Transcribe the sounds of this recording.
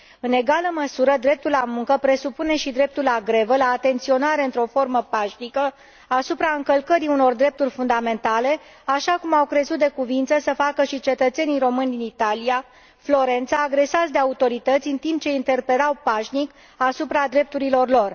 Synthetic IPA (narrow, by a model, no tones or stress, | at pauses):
ɨne̞ɡaləməsuɾəd̪ɾe̞p̚t̪ulːamuŋkəpɾe̞supune̞ʃid̪ɾe̞p̚t̪ulaɡɾe̞vəlaːt̪e̞nt̪sio̞naɾe̞ɨnt̪ɾo̞fo̞rməpaʃnikə | asupɾaɨŋkəlkəɾiuno̞rd̪ɾe̞p̚t̪urʲfund̪ame̞nt̪ale̞ | aʃakumawkɾe̞zut̪̚d̪e̞kuvint̪səsəfakəʃit͡ʃe̞t̪ət̪se̞nijɾo̞mɨnʲd̪init̪alija | flo̞ɾe̞nt̪saːɡɾe̞sasd̪e̞aut̪o̞ɾit̪ət̪sʲɨnt̪imp̚t͡ʃe̞int̪e̞rpe̞lawpaʃnik | asupɾad̪ɾe̞p̚t̪uɾilo̞rlo̞r